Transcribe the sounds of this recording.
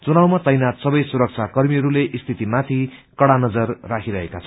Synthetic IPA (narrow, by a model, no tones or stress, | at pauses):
t͡sunawmat̪ʌjnat̪sʌbʌjsuɾʌk̚t͡sʰakʌrmiʌɾuleʔist̪ʰit̪imat̪ʰikʌɽanʌd͡zʌrːakʰiɾʌɦekat͡sʰʌ